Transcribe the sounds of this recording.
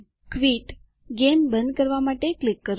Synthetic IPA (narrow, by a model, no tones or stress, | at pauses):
kʋiʈ | ɡembənd̪̚kəɾʋamaʈeklɪkːəɾ